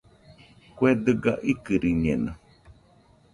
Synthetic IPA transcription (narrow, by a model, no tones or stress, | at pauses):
kwed̪ɨɡaʔikɨɾiɲẽna